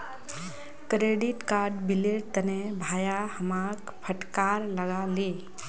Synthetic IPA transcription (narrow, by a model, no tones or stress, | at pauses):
kɾeɖiʈkaɾɖbileʈ̚t̪ənebʱajahəmak | pʰəʈkaɾləɡale